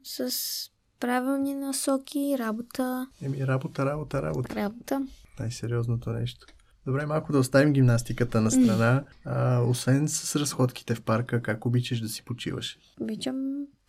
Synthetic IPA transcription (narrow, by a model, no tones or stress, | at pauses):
səs | pɾavilˠninɐsɔkʲiɾabot̪əɛmiɾabot̪əɾabot̪əɾa̰boɾabot̪ənajsɛɾiɔznot̪onɛ̰ʃt̪o̥ | d̪̥obɾɛmalˠkʊd̪ɐost̪avimɡʲimnast̪ikət̪ənɐst̪ɾɐnaəosvɛnsə̥sɾɐsxɔt̪k̟i̥t̪ɛfpaɾkəkakobit͡ʃəʃd̪ɐsi̥pot͡ʃḭvə̰ʃ | obit͡ʃəm